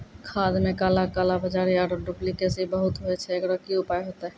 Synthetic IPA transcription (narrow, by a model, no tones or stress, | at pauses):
kʰad̪mekalakalabəd͡ʒaɾiaɾoɖuplikesibəɦut̪ɦoɛt͡ʃʰɛekɾɔkiupajɦot̪a